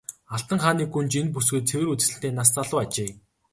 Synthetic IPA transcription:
aɬt̪ə̆ŋχaːniːɡunt͡ɕenp̬us̬ɡɘ̆ːt̪̚t͡sʰewɘ̆ɾut͡sɘ̆sɘ̆ɬt̪eːnast͡saɮʊːat͡ɕeː

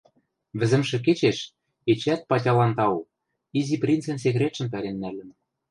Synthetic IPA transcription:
βɘ̆zɘ̆mʃɘ̆k̬et͡ɕeʃ | et͡ɕæt̪̚pɑtʲɑlɑnt̪ɑo | iziprʲint͡sĕns̬ekɾʲet̪ʃɘ̆mp̬æɾenːælɘ̆n

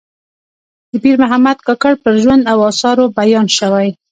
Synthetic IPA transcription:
d̪̥əbiɾmʊɦamad̪kɑkaɽpəɾʒwand̪awɑsɑɾobajɑnʃəwaj

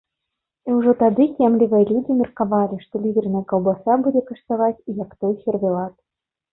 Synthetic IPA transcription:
iwʐɔt̪ad̪ɨkʲamlʲivɨjɛlʲud͡zʲimʲirkavalʲiʂt̪ɔlʲid̪ʲernɐjɛkɐwbasʲabud͡zʲekɐʂt̪avat͡sʲijakt̪ɔjxʲervʲɛlˠat̪

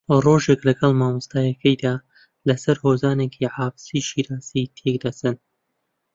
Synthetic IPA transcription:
roʒeklɐɡɐlˠmaːmɨst̪aːjɐkʰɐjd̪aː | lɐsɐɾhoːzaːnekʰiʕaːfsiʃiːɾaːzit̪ʰekd̪ɐsɨn

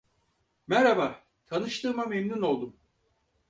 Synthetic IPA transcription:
mɛɾaba | t̪ʰanɯʃt̪ʰɯːmamemnuno̞lˠd̪um

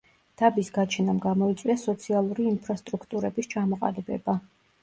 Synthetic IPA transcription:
d̪̥abisɡat͡ʃʰɛnamɡamɔit̪sʼwiasɔt̪sʰialˠuɾiːnpʰɾast̪ʼɾukʰt̪ʼuɾɛbist͡ʃʰamɔqʼa̰libɛ̰ba

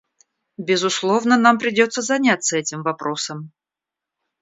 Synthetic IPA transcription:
bʲɪzʊslˠo̞vnənampɾʲɪdʲo̞t̪sːəzɐnʲat̪sːəɛtʲɪmvɐpɾo̞səm

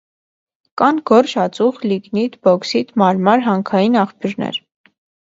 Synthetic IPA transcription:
kɑnɡɔrʃɑt͡suχliɡnit̪bɔksit̪mɑɾmɑɾɦɑŋkʰɑjinɑχpjuɾnɛ̰ɾ

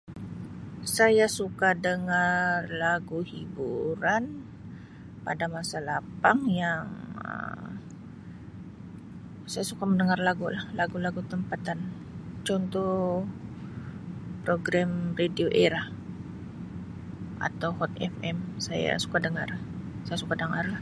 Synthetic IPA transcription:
sajasukadəŋarlaɡuhibuɾan | pa̰damasalapaŋjaŋə̰m | sajasukaməndəŋarlaɡulahlaɡulaɡut̪əmpat̪an | t͡ʃɔnt̪ɔ | pɾoɡɾamredioʔeɾah | ʔa̰t̪awhɔt̪̚ɛ̰fɛmsaja̰su̥kadəŋar | sajasukadəŋarlah

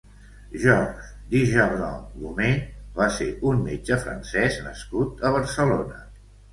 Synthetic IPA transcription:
ʒɔʒ | d̪iʒəβnɔ̰lumeβasḛʔunmed͡ʒəfɾə̰nsɛznə̰skut̪əβ̞əɾsəlonə

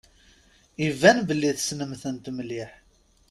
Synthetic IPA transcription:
ivːænbəlːiðsnəmθənt̪mliħ

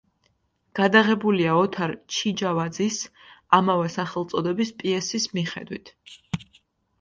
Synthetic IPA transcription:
ɡ̥ad̪aʁɛbuliaɔt̪ʰaɾt͡ʃʰid͡ʒavad̪zis | amavɛsaχɛlˠt̪sʼɔd̪ɛbispʼiɛsismiχɛ̰d̪wḭt̪ʰ

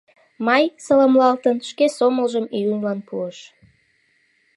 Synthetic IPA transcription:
mɑjsəlɑmlɑlt̪ənʃkesoməlʒəmijunlɑnpuəʃ

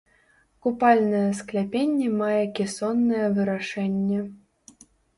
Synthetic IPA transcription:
kupɑlʲnɐjɛsklʲapʲenʲːemɑjekʲesonːɐjɛvɨɾaʂɛnʲːe

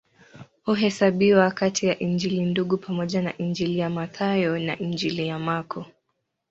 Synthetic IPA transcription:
huɦɛsaɓiwakatʰijaʔind͡ʒilinduɠupʰamɔʄana̰ʔiɲd͡ʒilijamaθajɔnaʔind͡ʒilijamakʰɔ

